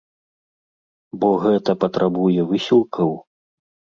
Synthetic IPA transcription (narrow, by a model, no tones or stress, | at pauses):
bɔɣɛt̪ɐpɐt̪ɾʔabujɛvɨsʲilˠkʰɐw